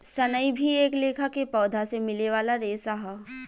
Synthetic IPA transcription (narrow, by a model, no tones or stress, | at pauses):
sɐnəibʱieːkleːkʰakepɔːd̪ʱasemɪleʋaːlaɾeːsaɦa